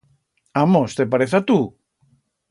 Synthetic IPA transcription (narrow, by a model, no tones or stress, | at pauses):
amost̪epaɾeθat̪u